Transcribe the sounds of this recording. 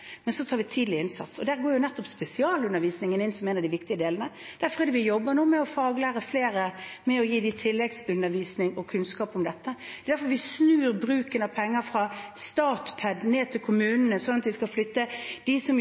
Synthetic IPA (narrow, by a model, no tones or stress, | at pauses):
mɛnsɔt̪ʰɑːɾʋɪt̪ʰiːd̪lɪɪnsɑ̰t̪sɔd̪æːɾɡoːɾjʊnɛt̪ːɔpspɛsɪɑːlʉnːəɾʋiːsnɪŋənɪnsɔmeːnɑd̪ɪʋɪkt̪ɪəd̪eːlənə | d̪̥æɾfɔʁɛd̪ɛʋɪjɔbːənuːmɛɔfɑːɡlæːɾəfleːɾəmɛɔjiːd̪ɪt̪ʰɪlːɛɡsʉnːəɾʋiːsnɪŋɔkʰʉnskɑːpɔmd̪ɛt̪ːəd̪ɛd̪æɾfɔɾʋɪsnʉːɾbɾʉːkənɑʋpʰɛŋːəɾfɾɑst̪ɑːt̪pʰɛd̪neːt̪ʰɪlkʰʊmʉːnənəsɔnːɑt̪ʋɪskɑlflʏt̪ːəd̪̥ɪsɔm